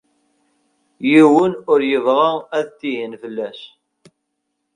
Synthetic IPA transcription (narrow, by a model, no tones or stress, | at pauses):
jiwənʊɾjəvʁaæðt̪ːihənfəlːæʃ